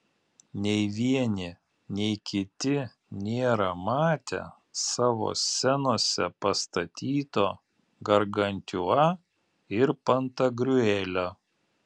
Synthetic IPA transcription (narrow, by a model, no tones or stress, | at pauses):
nʲɛɪʋʲiɛnʲɪ | nʲɛɪkʲɪt̪ʲɪ | nʲeːɾɐmɑːt̪ʲɛ̰ | sɑːʋo̰ːsʲɛnoɔsʲɛpɐst̪ɐt̪ʲiːt̪oː | ɡɐɾɡɐnʲt̪ʲʊɑ | ɪɾpɐnt̪ɐɡɾʲʊɛlʲoː